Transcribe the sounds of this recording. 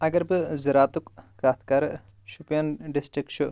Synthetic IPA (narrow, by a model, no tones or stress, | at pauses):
ɐɡɐɾbɨziɾaːt̪ukːaːt̪ʰkɐɾ | ʃupjɐnɖisʈɾikt͡ʃʰu